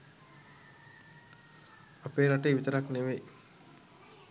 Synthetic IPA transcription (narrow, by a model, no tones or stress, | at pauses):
apeːnaʈeːʋit̪əɾakneʋe